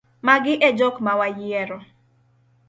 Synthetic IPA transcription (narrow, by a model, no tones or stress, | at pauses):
maɡɪʔɛd͡ʒɔkmawajɪɛɾɔ